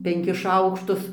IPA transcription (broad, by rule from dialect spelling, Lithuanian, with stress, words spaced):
pʲɛŋʲˈkʲɪs ˈʃɐʊkʃtʊs